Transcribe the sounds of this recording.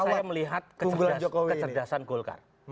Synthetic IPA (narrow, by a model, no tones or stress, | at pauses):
ajaməliɦat̪̚kəuɡuland͡ʒokowikət͡ʃərdasanɡolka̰r